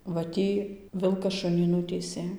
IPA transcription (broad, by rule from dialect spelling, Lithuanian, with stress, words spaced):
ʋɐ ˈtʲiː ˈʋʲɪlˠkɐs ˈʃʊnʲiː ˈnʊtʲiːsʲeː